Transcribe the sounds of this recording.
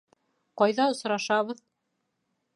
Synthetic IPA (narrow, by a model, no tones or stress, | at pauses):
qɑjðɑŏsɾɑʃɑβɤð